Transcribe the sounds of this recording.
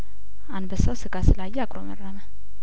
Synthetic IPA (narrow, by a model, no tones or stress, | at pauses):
anbəsawsɨɡasɨlajɛakʼɾomə̰rːamə